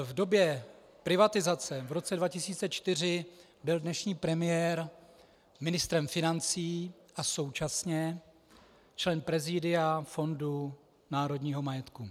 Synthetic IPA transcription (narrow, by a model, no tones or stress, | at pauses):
vdo̞bjɛ | pɾɪvat̪ɪzat͡sɛvɾo̞t͡sɛdvacɪsiːt͡sɛt͡ʃt̪ɪr̝ɪ | bɪldnɛʃɲiːpɾɛmɪjɛɾ | mɪnɪst̪ɾɛmfɪnant͡siː | ʔaso̞wt͡ʃasɲɛ | t͡ʃlɛnpɾɛzɪdɪafo̞ndu | naːɾo̞dɲiːɦo̞majɛt̪ku